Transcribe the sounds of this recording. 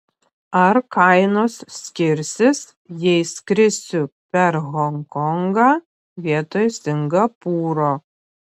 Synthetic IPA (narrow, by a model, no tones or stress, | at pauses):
ɐɾkɐɪnoːsʲkʲɪɾʲsʲɪs | jɛɪskɾʲɪsʲʊpʲɛɾɣɔŋkɔŋɡɑː | ʋʲiɛt̪oːjsʲɪŋɡɐpuːɾoː